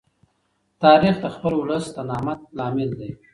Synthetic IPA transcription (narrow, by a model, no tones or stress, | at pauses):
t̪ɑːɾixd̪əxpəlwləst̪anɑmat̪̚lɑːmɪld̪e